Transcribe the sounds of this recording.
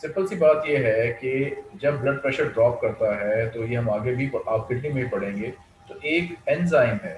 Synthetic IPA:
sɪpəlsibaːt̪jeɦɛked͡ʒɐb̚ːlɐɖ̚pɾɛːʃəɾɖɾɔːp̚kɐɾt̪aɦɛt̪ojeɦɐmaːɡebʱipɐaːp̚ɡɪʈnĩmẽbʱipɐɽ̤ẽːŋɡeː | t̪oʔeːkɛnzaːɪmɦɛː

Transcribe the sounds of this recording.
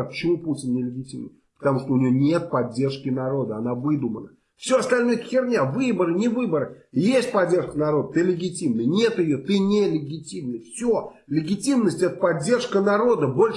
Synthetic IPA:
pə̥t͡ɕɪmuputʲɪnnʲɪlʲɪɡʲɪtʲimnə̰jpə̥t̪ɐmuʂt̪oʊnʲɪjonʲe̞t̪̚pɐdʲːe̞rʂkʲɪnɐɾo̞d̪əɐnavɨd̪ʊmənə | fsʲoɐst̪ɐlʲno̞jək̪xʲɪrnʲavɨbəɾɨnʲɪvɨbəɾɨ | jesʲt̚ʲpɐdʲːe̞rʂkənɐɾo̞d̪ət̪ɨlʲɪɡʲɪtʲimnɨjnʲe̞t̪jɪjot̪ɨnʲelʲɪɡʲɪtʲimnɨjfsʲo | lʲɪɡʲɪtʲimnəsʲtʲɛt̪ə̥pɐdʲːe̞rʂkənɐɾo̞d̪əbo̞lʲ

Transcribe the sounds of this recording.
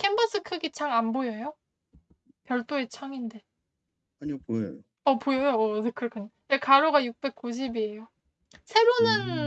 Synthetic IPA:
kʰembʌs͈ʰɯkʰɯɡit͡ɕʰaŋanbojʌjo | pjʌɭt͈oe̞t͡ɕʰʌŋinde̞ | aɲipojʌ̰jo | ʌpojʌjoʌkʰɯɾkʰɯn | ekaɾoɡajuk̚p͈e̞k̚k͈uɕ̬ʰibie̞jo | sʰe̞ɾonɯn

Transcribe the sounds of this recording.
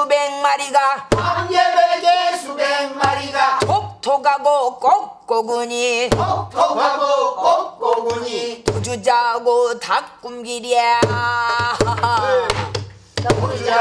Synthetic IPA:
ubeŋmaɾiɡaamjebeɡeubeŋmaɾiɡatok̚tʰoɡaɡok͈ok̚k͈oɡuɲiotʰoaokokoɡɲitud͡ʑud͡ʑaɡotakk͈umɡiɾia

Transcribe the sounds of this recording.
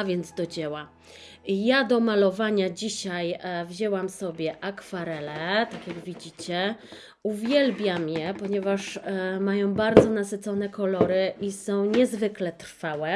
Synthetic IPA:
avʲjɛnd̪zd̪ɔd͡ʑɛwa | jad̪ɔmalɔvaɲad͡ʑiɕajvʑɛwamsɔbʲjɛʔakfaɾɛlɛɛt̪akʲjaɡvʲid͡ʑit͡ɕɛ | uvʲjɛlbʲjamjɛpɔɲɛvaʂmajɔ̃w̃baɾd̪zɔnasɘt̪sɔnɛkɔlɔɾɘʔisɔ̃w̃ɲɛzvɘklɛt̪ɾfawɛ

